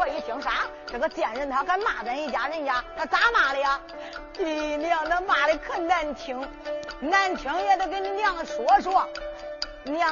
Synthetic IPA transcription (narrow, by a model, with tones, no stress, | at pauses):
ɔ˧˥˩i˧˥˩t̪ʰi˧˥ŋʂa˧˥ | ʈ͡ʂɤ˨˩ŋɡə˧t͡ɕjɛ˨˩nɻə˥˩nt̪ʰa˧˥kʰa˥˩nma˨˩bə˧˥ni˥˩t͡ɕja˧˥ɻə˥˧n˧t͡ɕja˧˥t̪ʰa˥˩t͡sa˧˥ma˨˩lə˧ja˧ | i˧ni˧ɑ˥˩ŋna˧ma˨˩lə˧kʰə˥˧na˥˩nt̪ʰi˧˥ŋ | na˥˩nt̪ʰi˧˥ŋjɛ˨˩t̪o˥˩k̬e˧˥nni˧˥njɑ˥˩ŋʂwɔ˧˥ʂwɔ˥˩ | njɑ˥˩